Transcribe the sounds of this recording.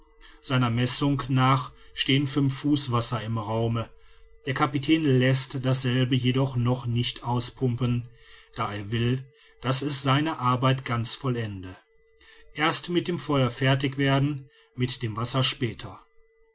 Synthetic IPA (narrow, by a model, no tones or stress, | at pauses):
z̥aɪnɐmɛsʊŋknaːχʃteːənfʏnfːuːsv̥asɐɪmʁaʊməd̥eːɐkʰapitʰɛːnlɛstd̥asz̥ɛlbəjedɔχnɔχnɪçtʔaʊspʰʊmpənd̥aːeːɐvɪl | d̥asɛsz̥aɪnəʔaɐbaɪtɡ̥ant͡sfɔlɛndə | ʔeːɐstmɪt̚d̥eːmfɔʏɐfɛɐt̬ɪçv̥eːɐdn̩ | mɪtd̥eːmvasɐʃpɛːtʰɐ